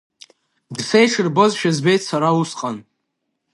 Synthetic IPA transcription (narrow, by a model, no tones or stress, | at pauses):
dsejʈ͡ʂʰɨrbozʃᶣazbejtʰʼsaɾausqʼan